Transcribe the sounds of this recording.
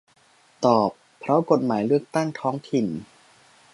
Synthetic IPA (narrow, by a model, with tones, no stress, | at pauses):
t̪ɔː˨˩pʰːɾɔ˦˥ko˨˩t̪̚maː˩˦jlɯ˥˩ək̚t̪a˥˩ŋt̪ʰɔː˦˥ŋt̪ʰi˨˩n